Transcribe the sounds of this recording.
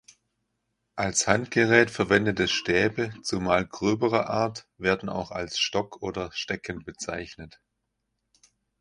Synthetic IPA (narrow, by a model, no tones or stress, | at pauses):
ʔalshantɡ̥əʁɛːtfɛɐvɛndətɛsʃtɛːbət͡sumaːlɡʁøːbəʁəʔaːɐtv̥eːɐdn̩a̰ʊxa̰lsʃtɔkʰʔoːdɐʃtɛkənbət͡sa̰ɪçnət